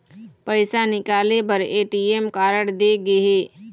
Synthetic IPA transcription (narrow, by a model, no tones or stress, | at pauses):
pəɪsanɪkaːlepəɾeːʈiːeːmkaːɾəɽd̪eːɡeɦeː